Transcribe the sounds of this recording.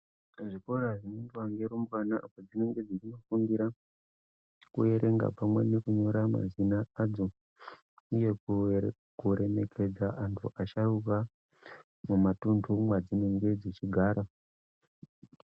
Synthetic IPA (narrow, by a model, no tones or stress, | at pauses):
ʐiko̞ɾaʐinendwaŋɡeɾomkanaʔapod͡zine̞ŋɡe̞d͡zit͡ʃino̞fuŋɡiɾa | kuje̞ɾeŋɡa̰pamwe̞̰nekuɲo̞ɾama̰zinaad͡zo̞ | uje̞ku | kuɾe̞me̞kʰe̞d͡zaʔantʰṵʔaʃaruka | mumatundʰʱumwad͡zine̞ŋɡe̞d͡zet͡ʃiɡʱaːɾa